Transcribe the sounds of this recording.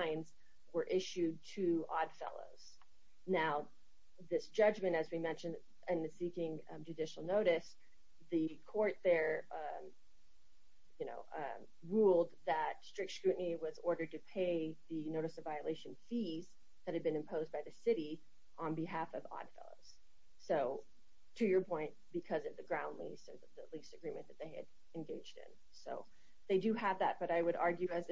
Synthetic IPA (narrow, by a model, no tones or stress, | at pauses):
ɪ̃nz | wə˞ʔɪʃʉd̚tʰɨɑ̰d̥fɛ̰lˠo̰ʊz̥ | naʊ | ðɪsd̥ʒ̥ʌd͡ʒmɨ̃ñtɨzwimɛ̃nʃɨ̃n | ɪ̃nsikɪ̃ŋ | d͡ʒɨdɪʃl̩ˠnoʊɾɨs | ðɨkʰɔɹt̪̚ðə˞ | jɨno̰ʊ | ɹulˠd̪̚ðətstɹ̥ɪk̚tskɹʉʔn̩iwʌzɔɹɾə˞d̚tɨpʰeɪðɨnoʊɾɨsʌvaɪɨleɪʃɨ̃nfiz | ðɨt̚hɨd̚bɨ̃nɨ̃mpʰoʊzbaɪðɨsɪɾi | ʔə̃nbɨɦæfʌvɑ̰d̥fɛ̰lˠo̰ʊz̥ | soʊ | tʰɨjə˞pʰɔ̃ɪ̃nt̚b̥ɨkʰʌzʌvðɨɡɹãʊ̃ndˡlḭstə˞ðɨlistɨɡɹĩmɨ̃nðɨt̪̚ðeɪɨ̰ɾ | ɨ̃nɡeɪd͡ʒdɪ̰̃n | soʊ | ðeɪdɨəvðæ̰t̚b̥ʌɾaɪwɨɾɑɹɡjʉɨz